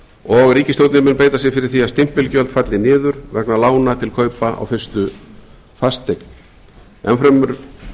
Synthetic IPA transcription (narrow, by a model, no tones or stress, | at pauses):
ɔɣriːcɪsowt̪nɪɾmɪnpeːjt̪as̬jɛfɪɾɪɾ̥θiast̪ɪm̥pɪlcœlt̪fat̪lɪnɪːðʏɾ̥vɛknalaːwnat̪ʰɪlkʰœːɥpaa̰wfɪrst̪ʏ | fast̪ejkn | ɛ̰nfɾamʏɾ̥